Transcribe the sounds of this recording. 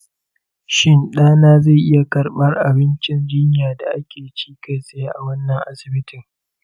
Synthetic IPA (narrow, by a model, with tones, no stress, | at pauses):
ʃɪ˦nɗaː˦naː˦za˦˨ʔɪ˦ja˨kɐ˨rɓɐ˦rʔa˨bɪ˦nt͡ʃɪ˦nd͡ʒɪ˦ɲjaː˨da˨ʔa˦kʲeː˨t͡ʃiː˦ka˦jsʼɪ˦jaː˦ʔa˨wɐ˦nːɐ˨ŋʔa˦sɪ˨bɪ˦tɪ˨ŋ